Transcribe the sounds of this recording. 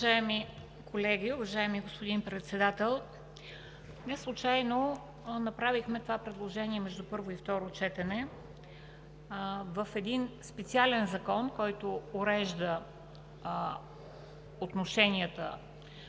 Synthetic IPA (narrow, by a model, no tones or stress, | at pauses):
ʒaɛmi | kʰolɛɡʲiʊvɐʒaɛmiɡospʊd̪inpɾɛt̪sɛd̪at̪ɛlˠ | nɛslˠʊt͡ʃajno | nɐpɾavixmɛt̪ovapɾɛd̪lˠoʒɛniɛmɛʒd̪upɤɾvoift̪ɔɾot͡ʃɛt̪ɛnɛ | vəfɛd̪inspɛt̪sialɛnzɐkɔnkɔjt̪oːɾɛʒd̪ə | ot̪noʃɛnʲiət̪ə̰